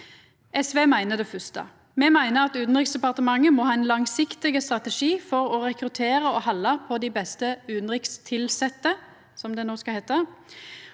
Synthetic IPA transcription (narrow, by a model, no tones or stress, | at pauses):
ʔɛsʋeːmæɪnəd̪ɛfʉst̪ə̰ | mɛmæɪnəɾɑt̪ʉːd̪n̩ʁɪksd̪ɛpɑʁt̪əmɑŋːəmɔhɑːɛnlɑŋsɪkt̪ɪɡəst̪ʁɑt̪ɛʂiːfɔʁɔɾɛkɾʉt̪ʰeːʁəɔhɑlːəpʰɔd̪ɪbɛst̪əʉːnʁɪkst̪ʰɪlsɛt̪ːə | sɔmd̪ɛnoːskɑhɛːt̪ːə